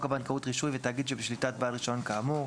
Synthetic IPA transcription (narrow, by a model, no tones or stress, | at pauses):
kabankautʁiʃuivet̪aːɡid̪ʃebeʃlitat̪̚baːlʁiʃoonkaːmu